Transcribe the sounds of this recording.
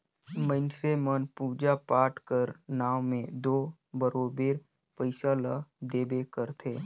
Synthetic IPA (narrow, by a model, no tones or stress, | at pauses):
mənsemənpuːd͡ʒapaːʈkəɾnaːʋmẽd̪oːbəɾoːbeːɾ | pəɪʃalad̪eːbekəɾt̪ʰeː